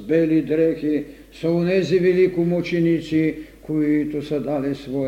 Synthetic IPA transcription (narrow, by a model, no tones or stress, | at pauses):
belid̪ɾɛki | saunɛziʋilikumot͡ʃinit̪sikʰoit̪usad̪alɛsʋɔ